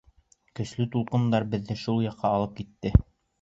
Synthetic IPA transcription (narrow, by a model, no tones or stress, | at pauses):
kɵ̆ʃlɘt̪ulˠqɤ̆nd̪ɑɾbɘ̆ðːɘʃulˠjɑqːɑːlˠɤp̚kit̪ːɘ